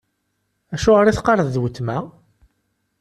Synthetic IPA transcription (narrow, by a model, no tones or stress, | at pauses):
æʃʊʁɾiθqɑɾˤəððwət̪ːmæ